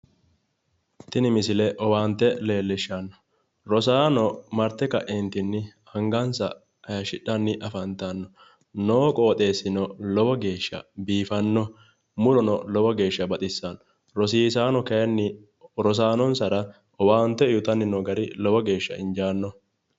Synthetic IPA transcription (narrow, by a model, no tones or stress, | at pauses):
t̪ɪnɪmɪsɪlɛʔɔwaːnt̪ːɛle̞ːlːɪʃːɐnːɔ̥ | ɾɔsaːnɔmɐɾt̪ːɛkɐ̰ʔeːnt̪ɪnːɪhɐŋɡɐnsɐ̰ | ɐjɐʃɪᶑːɐnːɪʔɐfɐnt̪ɐnːɔ | noːkʼoːt̪ʼe̞ːsːɪnɔlɔwɔɡe̞ːʃːɐ̰biːfɐnːɔ | mʊlɔnɔlɔwɔɡe̞ːʃːɐbɐt̪ʼɪsːan | ɾɔs̬iːsaːnɔkɐnːɪ | ɾɔs̬aːnɔnsɐɾɐ | ɔwaːnt̪ːɛɪjʊt̪ɐnːɪnɔɡɐɾɪlɔwɔɡe̞ːʃːɐ̰ʔɪnd͡ʒaːnːɔ